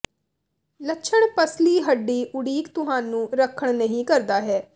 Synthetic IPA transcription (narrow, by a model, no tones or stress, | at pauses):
lətːʃʰəɳpəsliːɦəɖːiːʔʊɽiːkt̪ʊɦaːnũːɾəkʰːəɳnəɦĩːkəɾd̪aːɦɛː